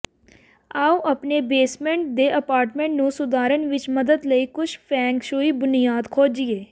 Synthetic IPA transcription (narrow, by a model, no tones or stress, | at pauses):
aːũʔəpneːbeːsmẽːɳʈ̚d̪eːʔəpaːɾʈmẽːɳʈnũːsʊd̪aːɾənʋɪt͡ʃməd̪əd̪ləiːkʊt͡ʃʰpʰɛ̃ːŋkʃoːiːbʊnijaːd̪kʰoːd͡ʒieː